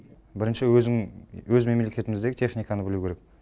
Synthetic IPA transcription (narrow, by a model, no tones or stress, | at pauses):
bɪɾɪnʃɪzŋwɵzme̞mlekʲe̞t̪ɪmɪzd̪eɡʲɪt̪ʰeχnijkɑnəbɪluwkʲʰe̞ɾek̚